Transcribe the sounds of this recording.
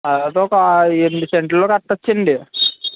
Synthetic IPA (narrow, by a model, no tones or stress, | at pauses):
ɐlaːt̪oːɔkɐeːiseɳʈlloːkɐʈːɐt͡ʃːɐɳɖi